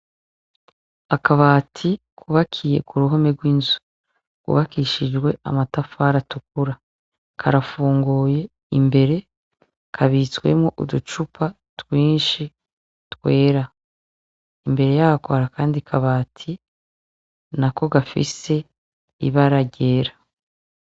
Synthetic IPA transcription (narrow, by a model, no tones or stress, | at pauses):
akaβaːtʰi | kʰuβakʰije̞̰kuɾuɦo̞meɡwiːnzu | kṵβakiʃid͡ʒɡwe̞̰a̰matafaːɾatuk̚uɾa | kʰaɾafuːŋɡuːje̞ | imbe̞ɾe̞ | kʰaβit͡swe̞̰mŋoʔudut͡ʃupʰa | twiːnʃi | twe̞ːɾa | imbe̞ɾe̞jaakoɾakaːndikʰaβaːtʰi | nako̞ɡafḭse̞ | ḭβaɾaɟe̞ːɾa